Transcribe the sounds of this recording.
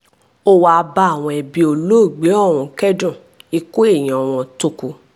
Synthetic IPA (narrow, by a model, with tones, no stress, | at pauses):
o˦wa˧ba˧˦a˦˨w̃ɔ̃˧ɛ˨bĩ˧o˧lo˦˨ɡ͡be˨˦ɔ˦˨w̃ɔ̃˧˨kɛ˦dũ˦˨ | i˧ko˦e˦˨j̃ĩ˨ɔ˨w̃ɔ̃˧to˧ku˧